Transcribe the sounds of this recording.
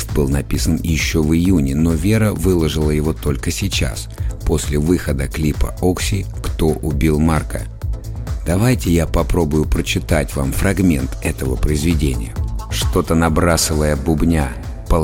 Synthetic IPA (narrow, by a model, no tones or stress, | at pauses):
st̪̚bɨlˠnɐpʲisənjɪɕːo̞vɨjunʲɪno̞vʲe̞ɾəvɨlˠəʐɨlˠəjɪvo̞t̪o̞lʲkəsʲɪt͡ɕa̰spo̞sʲlʲɪvɨxəd̪əklʲipə̰oksʲɪkt̪o̞ʔʊbʲilˠmarkə̰ | d̪̥ɐvajtʲɪjapɐpɾo̞bʊjʊpɾət͡ɕɪt̪atʲva̰mfɾɐɡmʲe̞nt̪ɛt̪əvəpɾəɪzvʲɪdʲenʲɪ̰jəʂt̪o̞t̪ənɐbɾasɨvəjəbʊbnʲa | pə